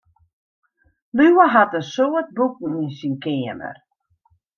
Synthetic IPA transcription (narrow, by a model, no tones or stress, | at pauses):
lywəɦatəsoət̚buk̚ŋ̩insinkɪəmə̰r